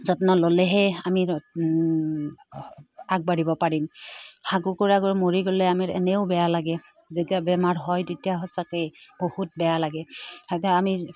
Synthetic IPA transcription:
zɔtnɔlolɛɦɛamiɹ | aɡ̚baɹibɔpaɹimxaɡukuɹaɡoɹmoɹiɡolɛamiɹɛ̰nɛʊbɛjalaɡɛ | zetiabɛmaɹɦɔjtetijaɦɔsakejbohut̚bɛjalaɡɛhɔt̬ɛami

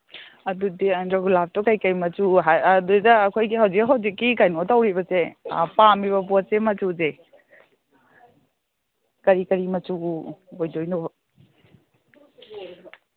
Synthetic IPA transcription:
ɐdudiɐndaɡulap̚tɔkajkajmɐtuɦadudɐːkʰojɡiɦawzikɦawzikːikajnotawɾibɐsḛpamiβɐbɔsemɐtuze | kɐɾikɐɾimɐt͡ʃuojdojno

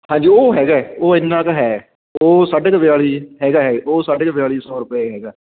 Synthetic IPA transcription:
hãːɲd͡ʒiːoːɦɛːɡaːɛoːɪnːãːkɦɛː | oːsaːɖkʋɪjaːɭiːɦɛːɡaːɦɛːoːsaːɖeːkʋɪjaːɭiːsɔːɾʊpeːɦɛːɡaː

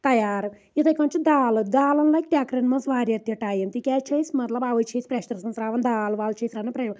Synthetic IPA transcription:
t̪ɐjaːɾ | it̪ɐjkɐɳt͡ʃud̪aːlud̪aːlɐnlɐkʈʲaːkɾenmɐsʋaːɾjɐt̪jɐʈaːjɐnt̪ikʲaːt͡ʃeːjsimɐt̪laːbaːʋɐjt͡ʃʰeːsi̥pɾeʃt̪ɐɾɐsɐnsɾaːʋɐnd̪aːluʋaːlːɐt͡ʃeːsɾaːnɐpɾɐ

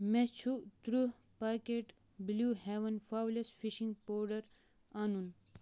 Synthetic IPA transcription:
met͡ʃʰut̪ɾu | pakeʈ | bluheʋɐnfaːwlesfiʃĩŋɡpoːɾɖɐɾ | aːnun

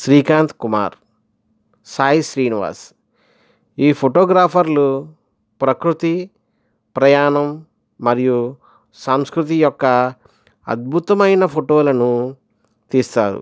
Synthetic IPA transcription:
ʃɾiːkaːnt̪kuma̰ːɾ | saːɦjiʃɾiːniʋa̰ːs | iːpʰoʈoːɡɾaːpʰɐɾlu | pɾɐkɾut̪i | pɾɐjaːɳɐmː | ɐɾiju | saːmskɾut̪̬ijɔkːɐ | ɐ̰d̪̚bʱut̪ɐmɐjnɐpʰoʈoːlɐnu | t̪iːst̪aːɾṵ

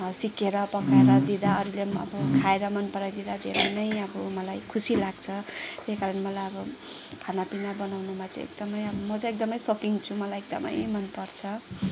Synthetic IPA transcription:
sikeɾʌpʌkaeɾʌd̪id̪aʌɾileʌ̰bʌkʰaeɾʌmʌnpʌɾajd̪id̪ad̪ʱḛɾʌjnʌjʌbʌmʌlajkʰusilaɡt͡sʰʌt̪eskaɾʌnmʌlajʌbʌkʰanapinabʌnawnumãt͡sʌ̰̃ḛk̚d̪ʌmʌjʌbʌmʌt͡sʌ̃ek̚d̪ʌmʌjsokiŋt͡sʰumʌlajek̚d̪ʌ̰mʌ̰jmʌnpʌrt͡sʰʌ

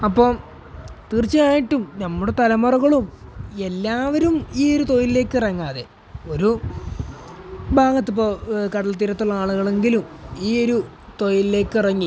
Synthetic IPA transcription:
ɐpːo̞ː | t̪iːrt͡ɕːɐjaːjiʈːumnɐmːuɽe̞t̪ɐlɐmɐruɣɐɭume̞lːaːʋɐɾumiːo̞ɾut̪o̞jile̞ːkːɨrɐŋːaːðḛ | o̞ɾu | bʱaːɣɐt̪ːip̬ːoːkɐɽɐlt̪ːiɾɐt̪ːuɭːɐaːɭuɣɐɭe̞ŋɡilumiːo̞ɾu | t̪o̞jille̞ːkːɨrɐŋːi

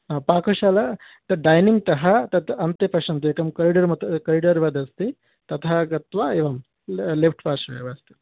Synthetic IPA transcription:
apaːkoʃaːlɐ | t̪ɐɖɐjniŋɡ̚t̪ɐɦɐt̪ɐt̪ɐnt̪epɐʂɐnt̪iekɐmkɐɾiɖɐɾmɐt̪kɐɾiɖɐɾʋɐd̪ɐst̪i | t̪ɐt̪ʰɐɦɐɡɐt̪ʋaeʋɐm | lepʰʈpaːʂɐḛʋast̪i̥

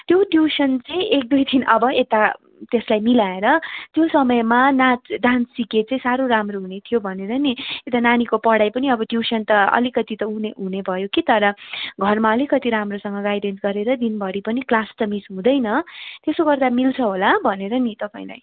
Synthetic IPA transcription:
t̪joɖjusʌnt͡sʌĩʔek̚d̪ujt̪ʰinʔʌbʌet̪a | t̪eslajmilaeɾʌt̪josʌmʌjmanat͡sɖãnt͡sʰsiket͡saĩsaɾoɾamroɦunet̪ʰijobʱʌneɾʌniet̪ananikopʌɽajpʌniʌbʌɖjusʌnt̪ʌʌ̰likʌt̪it̪ʌɦũneɦunebʱʌjokit̪ʌɾʌɡʱʌrmaʌlikʌt̪iɾamrosʌŋɡʌɡajɖensɡʌɾeɾʌd̪inbʱʌɽipʌniklasʈʌmisɦũd̪ʌjnʌt̪esoɡʌrd̪amilt͡sʰʌɦolabʱʌneɾʌnit̪ʌpãĩla̰j

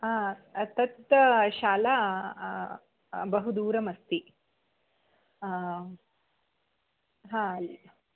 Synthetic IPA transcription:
aːt̪ɐt̪̚ʃaːla | bɐɦud̪uːɾɐmɐst̪i | ɦãːɐli

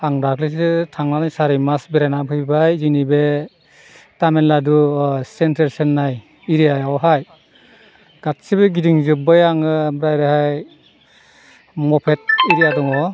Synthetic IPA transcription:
aŋɾaklis̬ɯtʰaŋnanajsaɾimasbeɾanapʰɯjbajzinibe | tamenladusenteɾsenːaj | iɾiajawɦaj | ɡ̥at̚sibeɡidiŋzɯbɯjaŋɯbɾajɾɯhaj | mɔpʰet̚iɾijadɔŋɔ

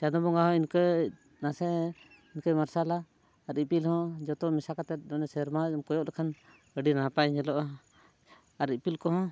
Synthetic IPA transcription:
tad̪ɔbɔŋaɦɔ̃inkə | nasɛ | inkəjmaɾsalaː | ɾipilhɔ̃d͡ʒɔt̪ɔmɛsakat̪ɛt̪̚ˀnɔnɛsɛɾmaɔmkɔjɔʔlɛkʰan | əɖinapaɲɛlɔʔa | aɾipilkɔɦɔ̃

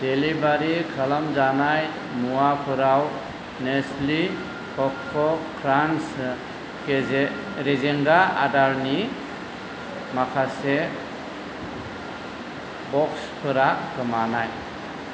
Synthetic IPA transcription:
d̥elibaɾikʰalamzanaj | muwapʰɯɾaw | nesli | kɔk̚ʰːɔkʰɾans | ee | ɾezeŋɡaa̰daɾni | makʰase | bɔkspʰɯɾakɯmanaj

